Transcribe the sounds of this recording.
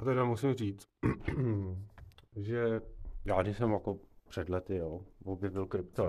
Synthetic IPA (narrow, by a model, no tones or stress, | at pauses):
at̪ɛdamusɪmriːt͡s | ʒɛjaːdɪsɛmjakopr̝̥ɛd̪lɛt̪ɪjoːvobjɛvɪlkɾɪpt̪o